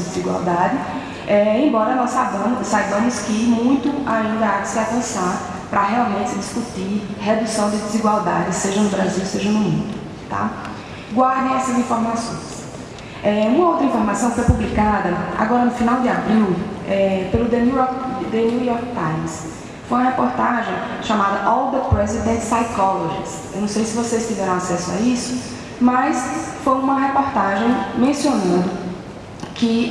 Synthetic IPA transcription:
ɪd̪ɪziɡwa̰wd̪add͡ʒɪ | ɛẽj̃bɔɾɐnɔssabɐ̃msːajbɐ̃mʊskɪmũj̃t̪ʊaĩnd̪ɐaksɪavɐ̃saɾ | pɾɐɦɛawmẽt̪t͡ʃɪɪd̪iskut̪iɦed̪usɐ̃w̃d̪ɪd̪ɪziɡwawd̪a̰d͡ʒ̪ɪseʒɐnʊbɾaziwseʒɐnʊmṵ̃d̪ʊ | t̪a̰ | ɡwaɾd̪ẽj̃ɛsɐzĩfoɾmasõ̰j̃s | ɛũmɐowt̪ɾɐĩfoɾmasɐ̃w̃ɪfojpublikad̪ɐa̰ɡɔɾɐnʊfinawd̪ɪabɾiwɛpelʊd̪enuɔkd̪enujɔɾk̚t̪ãj̃ms | fojũɐhepoɾt̪aʒẽj̃ʃamad̪ɐʔɔwd̪ɐpɾɛzid̪ẽnt̪sajkɔloʒḭs | ḛwnɐ̃w̃sejsɪvosest̪ivɛɾɐ̃w̃asɛsʊa̰isʊ̥ | mɐsfojũmɐɦepoɾt̪aʒẽj̃mẽsionɐ̃nd̪ʊ | kɪ

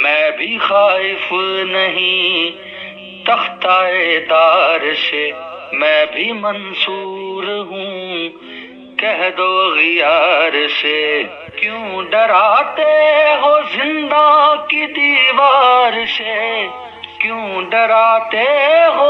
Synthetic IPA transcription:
mɛ̃ːbʱixaːɪfnɐɦĩ | t̪ɐxt̪aːed̪aːɾsemɛ̃ːbʱimɐnsuːɾɦũ | kɛɦd̪oɣɪjaːɾse | kjõːɖɐɾaːt̪eɦoːzɪ̃nd̪akid̪iːʋaːɾse | kjõːɖɐɾaːt̪eɦo

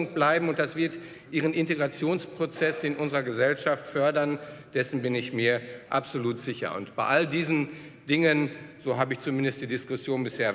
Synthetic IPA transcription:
ʊŋk̚b̥laɪbm̩ʊnt̚d̥asv̥ɪɐt | ʔiːʁ̞ənɪnteɡʁat͡sjoːnspʁ̥ot͡sɛsɪnʔʊnzəʁɐɡəzɛlʃaftfœɐdɐnd̥ɛsn̩bɪnɪçmiːɐʔa̰pz̥oluːtz̥ɪçɐ̰ʊ̰ntb̥aɪʔaldiːzn̩ | d̥ɪŋənzoːɦaːbəɪçt͡sumɪndəst̚d̥iːdɪskʊsjoːnbɪsheːɐ

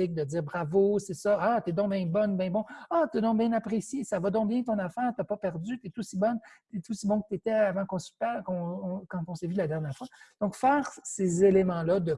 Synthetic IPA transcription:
ɪk̚d̪əd͡z̪iːʁbʁavosesʌat̪ed̪ɔ̃bjɛ̃bɔnbɛ̃bɔ̃at̪yɛd̪ɔ̃bjɛ̃napχesjesavɔd̪ɔ̃bjɛ̃t̪ɔ̃nafɛːʁt̪apɔpɛʁd͡zyt̪ɛt̪usibɔnt̪ɛt̪usibɔ̃kət̪et̪ɛavɑ̃kɔ̃sy̥pɛʁkɔ̃kɑ̃t̪ɔ̃sevylad̪ɛʁnjɛːʁfwad̪̥ɔ̃kfɛːʁsezelemɑ̃lʌd̪ə

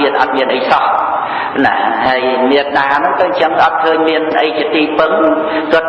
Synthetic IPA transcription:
iət̪̚ʔɑt̪̚miənʔəjsɑh | na̰haəjmiət̪̚ɗaːnɨŋt̪owɲt͡ɕəŋʔɑt̪̚kʰəːɲmiənʔəjt͡ɕiət̪iːpɨŋ | t̪ʊə

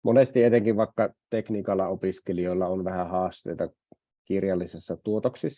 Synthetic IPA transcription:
monest̪iet̪eŋkiʋʋɑˑekːɑt̪eknikɑlːɑopiskeliolːɑonʋæhæhɑːst̪ḛjt̪ɑ | kirjɑlːisesːɑt̪uot̪oksisː

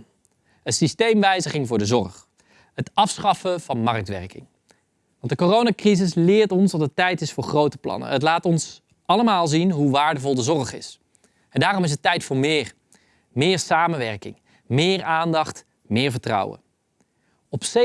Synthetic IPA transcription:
ətsistejmʋɛjzəχɪŋvʊːɹdəzɔ̰ɹχ | ətɑfsχɑfəv̥ɑnmɑrk̚tʋɛ̰ɹkɪ̰ŋ | ʋɑntdəkorownakrizɪs̬lɪːɹtɔnsdɑtətɛjtɪsfʊːɹχrowtəplɑ̰nə̰ɦətlaːtɔns | ʔɑləmaːlˠzinɦuʋaːɹdəvɔlˠdəzɔrχɪ̰s | ɛndaːrɔmɪs̬ətːɛjtfʊːɹmɪːr | mɪːɹsaːmənʋɛɹkɪ̰ŋ | mɪːɹaːndɑχt | mɪːɹvəɹtrʌ̰wə̰ | ɔpse

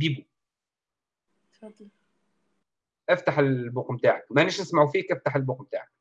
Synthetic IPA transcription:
biːbu | d̪ˤ | ʔæft̪aħelboqmt̪aːʕakmæʔænːiʃʔɪsmaʕufiːkʔæft̪aħelboqmt̪a̰ːʕak̚

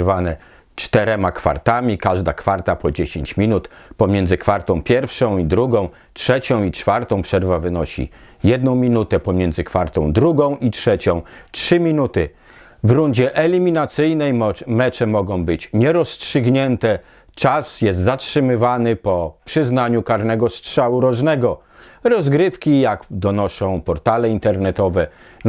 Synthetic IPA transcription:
vanɛ | t͡ʂt̪ɛɾɛmakfa̰ɾt̪amʲikaʐd̪akfaɾt̪apɔd͡ʑeɕeɲt͡ɕmʲinut̪pɔmʲjɛndzɘkfaɾt̪ɔ̃w̃pʲjɛɾfʂɔ̃w̃id̪ɾuɡɔ̃w̃ | tʂɛt͡ɕɔ̃w̃it͡ʂfaɾt̪ɔ̃w̃pʂɛɾvavɘnɔɕḭ | jɛd̪nɔ̃w̃mʲinut̪ɛpɔmʲjɛnzɘkfaɾt̪ɔ̃w̃d̪ɾuɡɔ̃w̃ʔitʂɛt͡ɕɔ̃w̃tʂɘmʲinut̪ɘ | vɾund͡ʑɛʔɛlʲimʲinat̪sɘjnɛjmɛt͡ʂɛmɔɡɔ̃w̃bɘt͡ɕɲɛɾɔstʂɘɡɲɛnt̪ɛ | t͡ʂasjɛs̬t̪zatʂɘmɘvanɘpɔpʂɘznaɲukaɾnɛɡɔstʂawuɾɔʐnɛɡɔ | ɾɔzɡɾɘfkʲijakd̪ɔnɔʂɔ̃w̃pɔɾt̪alɛint̪ɛɾnɛt̪ɔvɛ

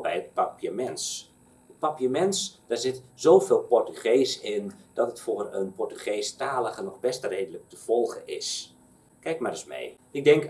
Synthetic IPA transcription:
bɛjət̚papiəmɛns | ət̚papjəmɛnsd̥aːrzɪtzowfeːlˠpɔrtyχejsɪnd̥ɔtətfoːrənpɔrtyχeːstaːləɣənɔxbɛstərejdələk̚təv̥ɔlˠɣəɪ̰s | kɛjk̚maɾəsmḛj | ɪɡ̚dɛŋk

